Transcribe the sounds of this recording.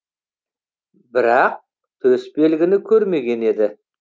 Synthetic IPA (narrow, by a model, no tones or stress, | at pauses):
bɪɾɑq̚ | t̪ʰɵspe̞lɡʲɪnɪkʲʰɵɾme̞ɡʲe̞ne̞d̪ɪ